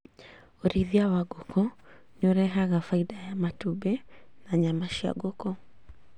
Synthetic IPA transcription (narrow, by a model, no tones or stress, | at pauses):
oɾiðiawaɡokɔ | ɲoɾɛɦaɣafaidajamatubenaɲamaʃia̰ɡokɔ